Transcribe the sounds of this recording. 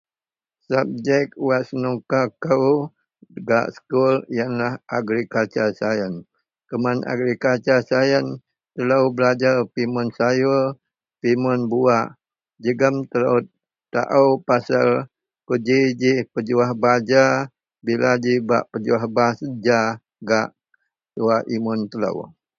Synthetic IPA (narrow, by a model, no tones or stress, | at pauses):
sab̚d͡ʒɛk̚wasənukakəw | əɡa̰ʔsə̥kuljanlahʔaɡɾikat͡ʃasajən | kəmana̰ɡɾikat͡ʃasajən | t̪əlawbəlad͡ʒarpimʊnsajo | pimʊnbuaʔ | d͡ʒəɡəmt̪ələw | t̪a̰ʔawpasal | kəd͡ʒid͡ʒipəd͡ʒuahbad͡ʒa | bilad͡ʒiba̰ʔpəd͡ʒuahbasəd͡ʒa | ɡaʔ | tuaʔimʊnt̪ələ̰w